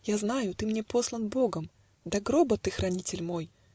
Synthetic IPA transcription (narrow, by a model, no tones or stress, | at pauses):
jaznajʊt̪ɨmnʲepo̞slˠənbo̞ɡəm | d̪ɐɡɾobət̪ɨxɾʔɐnʲitʲɪlʲmo̞j